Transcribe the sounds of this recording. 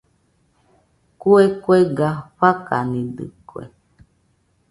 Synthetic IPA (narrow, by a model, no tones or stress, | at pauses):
kuekueɡaɸaka̰nid̪ɨ̰kuḛ